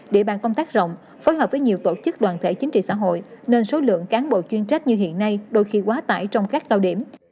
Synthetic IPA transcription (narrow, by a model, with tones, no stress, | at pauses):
ɗe˧˩ɓa̰ː˧˨nkə˧ŋ͡mt̪aː˦˥k̚zə̰˧˨wŋ͡m | fo˨˦jɦə˨˩p̚və˨˦jɲi˨˩əwt̪o˧˩t͡ɕɨ˦˥k̚ɗwaː˨˩nt̪ʰḛ˧˩t͡ɕi˨˦ŋ̟t͡ɕḭ˧˨sa̰ː˧˥˩ɦo̰˧˨jne˧nso˨˦lɨ̰˧˨əŋkaː˨˦nɓo̰˧˨t͡ɕwi˧ənt͡ɕa˦˥k̚ɲɨ˧ɦḭ˧˨ənːa˧jɗo˧jxi˧kwaː˨˦t̪a̰ː˧˩jt͡ɕɔ˧wŋ͡mkaː˦˥k̚kaː˧wɗi˧˩əm